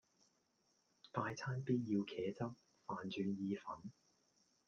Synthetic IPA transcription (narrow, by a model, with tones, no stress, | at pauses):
t̪aː˧jt͡sʰaː˥npiː˥t̚jiː˧wkʰɛː˨˥t͡sɐ˥p̚ | faː˨nt͡ʃyː˨˧njiː˧fɐ˨˥n